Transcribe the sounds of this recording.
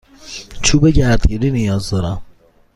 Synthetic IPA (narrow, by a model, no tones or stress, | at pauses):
t͡ʃʰuːbeɟæɾd̪ɡiɾinijɒːzd̪ɒɾæm